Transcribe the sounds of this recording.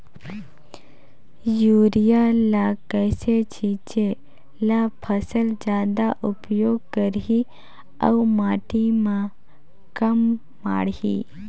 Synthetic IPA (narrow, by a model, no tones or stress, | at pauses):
juːɾijalakəːset͡ʃĩːt͡ʃe | lapʰəsəld͡ʒjaːd̪aʔʊpjoːɡ̚kəɾɦi | ɐ̰umaːʈimã | kɐmː | a̰ːɽḭː